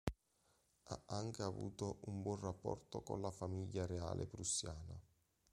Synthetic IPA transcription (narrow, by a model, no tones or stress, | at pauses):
a̰aŋk̟eavṵːt̪oʔumbwɔnrapːɔ̰rt̪okonlafamiʎːaɾeaːlʔḛpɾusːjaːna